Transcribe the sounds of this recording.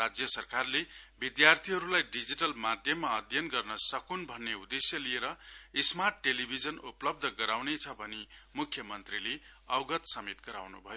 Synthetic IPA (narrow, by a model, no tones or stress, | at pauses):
rad͡zjʌsʌrkarlebid̪jart̪ʰiɦʌɾulajɖid͡ziʈʌlmad̪ʱjʌmːaʌd̪ʱjʌnɡʌrnʌsʌkunbʱʌnːeud̪esjʌlieɾʌismarʈːelibʱid͡zʌnuplʌb̚d̪ʱʌɡʌɾawnet͡sʰʌbʱʌnemukʰjʌmʌnt̪rileʌwɡʌt̪sʌmit̪ɡʌɾa̰wnṵbʱʌjo